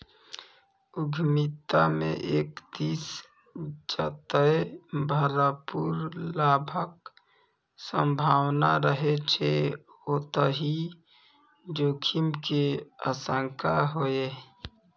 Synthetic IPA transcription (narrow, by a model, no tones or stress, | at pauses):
uɡʱmit̪ːamḛʔekd̪is | d͡ʒat̪əebʱəɾəpuɾlabʱək̚ | səmbʱawnaɾəɦet͡ʃʰɛ | ot̪əɦi | d͡ʒokʰimkea̰səŋkʰaɦoe